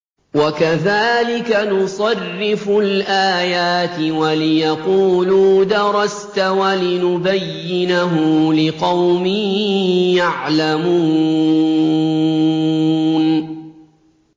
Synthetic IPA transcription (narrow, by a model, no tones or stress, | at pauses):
wakaðaːlɪkanʊsˤɑrːɪfʊlʔaːjaːt̪ɪwalɪjɑquːluːd̪ɑɾˤɑst̪awalɪnʊbajːɪnaɦʊlɪqɑwmiːjaʕlamuː | n